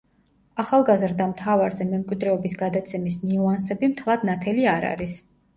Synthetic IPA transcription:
aχalˠɡazɾd̪amt̪ʰavaɾzɛmɛmkʼwid̪ɾɛɔbisɡad̪at̪sʰɛmisniuansɛbimt̪ʰlˠad̪nat̪ʰɛliaɾa̰ɾis

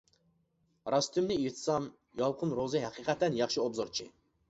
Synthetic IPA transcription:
ɾɑst̪ʰymnɪiht̪ʰɨsɑm | jɑlˠqʰʊnɾozɨɦæqʰiqɛt̪ʰɛnjɑχʃiobzoɾt͡ʃʰi

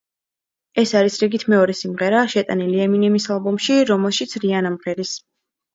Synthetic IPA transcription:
ɛsaɾisɾiɡit̪ʰmɛɔɾɛsimʁɛɾaʃɛt̪ʼa̰niliɛminɛmisalˠbɔmʃiɾɔmɛlˠʃit̪sʰɾianamʁɛɾis

